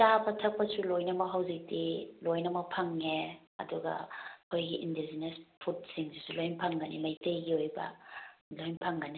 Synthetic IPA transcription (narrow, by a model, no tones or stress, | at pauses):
tabɐtʰɐk̚pɐsulojnɐmɐɦawzik̚dilojnɐmɐpʰaŋːe | ɐ̰duɡɐ̰kʰojɡiʔindezinespʰut̚siŋsisulojnpʰaŋɡanimajtejɡiojbɐ̰lojnpʰaŋɡani